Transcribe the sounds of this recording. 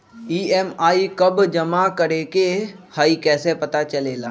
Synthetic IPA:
iːeːmaːikɐbd͡ʒɐmakəɾeːkehaːikɛːsepɐt̪at͡ʃɐleːlaː

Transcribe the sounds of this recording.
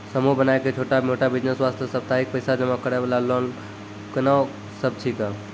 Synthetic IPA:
səmuɦbənaeket͡ʃʰoʈamoʈabid͡ʒnəswast̪ʰjəsəb̚t̪aik̚pəɪsad͡ʒəmakəɾebalalɔn | kənaw | səb̚ʈʰika

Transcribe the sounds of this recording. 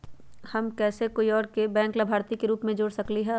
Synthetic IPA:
hɐmkɛːsekoːiɔːɾkebɛ̃ːŋklabʱaːɾt̪ikeɾuːpmẽd͡ʒoːɽsɐkliɦɛː

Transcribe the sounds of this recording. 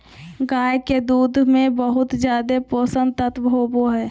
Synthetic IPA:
ɡaːjked̪uːd̪ʱmẽbəɦʊt̪d͡ʒjaːd̪epoːsə̃nt̪ət̪ʰbʱɦoːboɦɛː

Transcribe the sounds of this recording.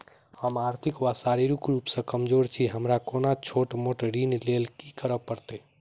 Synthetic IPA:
həmaɾt̪ʰikʋasaɾiɾukɾupsə̃kəmd͡ʒoɾt͡ʃʰiɦəmɾakonat͡ʃʰoʈmoʈɾinlelkikəɾəpəɾt̪e

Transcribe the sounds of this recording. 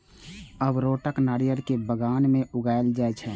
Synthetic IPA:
əbɾoːʈəknaːɾijəɾkebəɡaːnmẽʊɡaːeld͡ʒaːɛt͡ʃʰɛ

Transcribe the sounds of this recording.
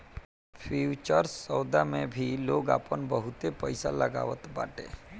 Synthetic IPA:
pʰuːt͡ʃəɾsɔːd̪amẽbʱiloːɡa̰ːpənbəɦʊt̪epəɪsaləɡa̰ːʋət̪ba̰ːʈḛː

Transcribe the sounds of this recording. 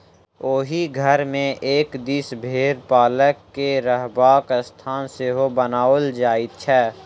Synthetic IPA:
oːɦiɡʱəɾmẽʔeːkd̪isbʱeːɾpaːləkːeɾəɦbaːkst̪ʰaːnseɦobənaːəld͡ʒaːɪt̪̚t͡ʃʰɛː

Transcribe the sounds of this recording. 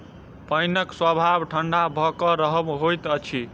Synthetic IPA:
pʌjnʌkswəbʱabʈʰəɳɖabʱʌkʌɾʌɦʌmɦojt̪ʌt͡ʃʰi

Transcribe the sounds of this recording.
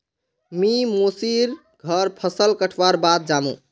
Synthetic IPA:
mimosiɾ | ɡʱəɾpʰəsəlkəʈʰʋaɾbat̪̚d͡ʒamṵ̃

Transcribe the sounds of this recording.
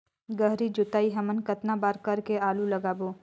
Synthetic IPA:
ɡəɦɾid͡ʒʊt̪aːiɦɐmənkət̪nabaːɾkɐɾkeaːlulɐɡaːboː

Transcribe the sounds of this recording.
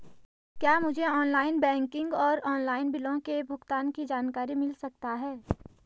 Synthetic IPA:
kjaːmʊd͡ʒʱeɔːnlaːɪnbɛ̃ːŋkɪ̃ŋɡɔːɾɔːnlaːɪnbɪlõkebʱʊɡt̪aːnkid͡ʒaːnkaːɾimɪlsɐk̚t̪aɦɛː

